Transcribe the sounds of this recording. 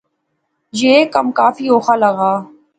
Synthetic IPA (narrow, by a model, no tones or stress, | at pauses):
jeːkəmkaːfiːoːxaːləɣaː